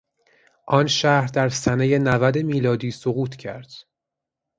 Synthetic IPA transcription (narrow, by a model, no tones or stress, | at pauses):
ʔɒnʃæhɾd̪æɾsæneje̞nævæd̪emiːlɒːd̪iːsoɣuːt̪ʰcʰæ̰ɾd̪̥